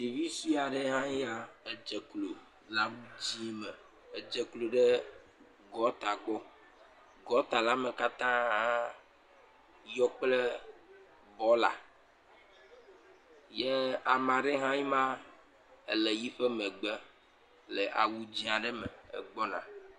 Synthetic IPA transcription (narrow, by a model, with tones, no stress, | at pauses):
ɖi˨vi˦su˦a˨ɖe˦ɦã˦ji˦a˨e˨d͡ʒe˨klo˨ | la˨wu˦d͡ʑi˦mɛ˨ | e˨d͡ʒɛ˨klo˨ɖɛ˦ | ɡɔ˦t̪a˨k͡pɔ˦ | ɡɔ˦t̪a˨la˦me˨ka˦t̪ã˦ | jɔ˦k͡ple˦ | bɔ˨˦la̰˨ | jɛ˦a˨mã˨ɖe˦ɦã˦ji˦mã˦ | e˨le˨ji˦ɸɛ˦me˨ɡ͡be˦ | le˨ʔa̰˨wu˦d͡ʑi˦a˨ɖe˦me˨ḛ˨ɡ͡bɔ˦nã̰˨